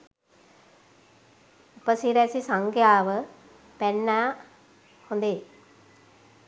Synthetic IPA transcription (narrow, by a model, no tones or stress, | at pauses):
upəsiɾɛsisaŋkjaːʋə | pɛnːaː | hond̪e